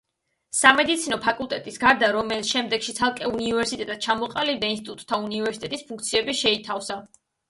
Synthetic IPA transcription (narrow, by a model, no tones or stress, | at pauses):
samɛd̪it̪sʰinɔpʰakʼulˠt̪ʼɛt̪ʼisɡaɾd̪aɾɔmɛlʃɛmd̪ɛɡʃit̪sʰalˠkʼɛunivɛɾsit̪ʼɛt̪ʼad̪̥̚t͡ʃʰamɔqʼalibd̪ainst̪it̪ʼut̪ʼt̪ʰːaunivɛɾsit̪ɛt̪ʼispʰuŋk̚t̪sʰiɛbiʃɛit̪ʰafsa